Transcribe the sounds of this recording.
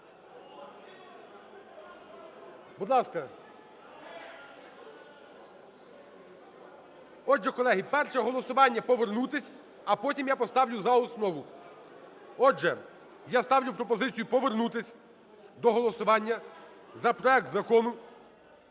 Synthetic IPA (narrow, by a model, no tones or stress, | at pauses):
bud̪lˠɑskɐ | ɔd͡ʒɛkɔlˠɛɦipɛrʃɛɦɔlˠɔsʊʋɑnʲːɐpɔʋernut̪ɪsʲ | ɐpɔtʲimjapɔst̪ɑwlʲʊzɐɔsnɔʋʊ | ɔd͡ʒɛ | jast̪ɑwlʲʊpɾɔpɔzɪt͡sʲijupɔʋernut̪ɪsʲ | d̪ɔɦɔlˠɔsʊʋɑnʲːɐ | zɐpɾɔɛk̚t̪zɐkɔnʊ